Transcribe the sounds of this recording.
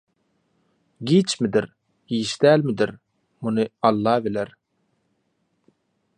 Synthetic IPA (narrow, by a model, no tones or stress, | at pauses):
ɡʲit͡ʃmɪd̪ɪɾ | iʃt̪ælmɪd̪ɪɾ | munɨɑlˠːɑːbɪlæɾ